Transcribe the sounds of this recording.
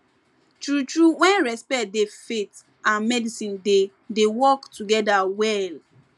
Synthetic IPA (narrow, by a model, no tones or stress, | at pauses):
tɹutɹuwɛ̃nɹɛspɛdefet | ãnmɛdisĩnde | dewɔktuɡɛdawɛl